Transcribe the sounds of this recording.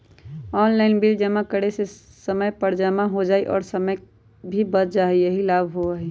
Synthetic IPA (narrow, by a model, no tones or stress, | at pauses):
ɔːnlaɪnbild͡ʒəmãkəɽese | səməjpəɾd͡ʒamaɦod͡ʒaːiʔɔ̰ːɾsəməj | bʱibət̪d͡ʒaːɦiəɦilaːbʱɦoai